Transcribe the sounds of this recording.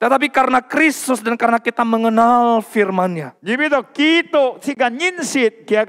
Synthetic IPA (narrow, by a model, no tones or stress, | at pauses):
t̪ət̪ap̬ikaɾənakɾist̪ʊsdankaɾənakit̪aməŋənalfirmanɲad͡ʒibit̪ɔkit̪osiɡaɲinsɪt̪̚kiak